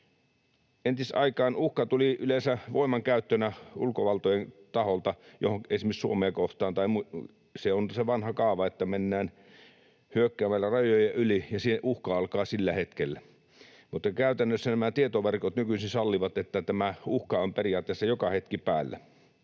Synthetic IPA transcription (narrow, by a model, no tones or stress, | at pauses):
ent̪isʔɑ̰ikɑːnuhkɑt̪uliylensæʋoˑimɑŋkæˑyt̪ːønæṵlkoʋɑlt̪ojent̪ɑholt̪ɑjo̰hoŋkesmissuomeːkoht̪ɑːnt̪ɑimu | seonseʋɑnhɑkɑˑːʋɑet̪ːæmenːæːn | hyøkːæːmælːærɑjojɑʔylijɑsiʔuhkɑɑlkɑːsilːæhet̪kelːæ | mut̪ːɑkæˑyt̪ænːøsːænæmæt̪iet̪oʋerkot̪nykysinsɑlːiʋɑt̪et̪ːæt̪æmæuhkɑomperiɑːt̪ːˑeːˑsːɑjokɑhet̪kipæːlːæ̰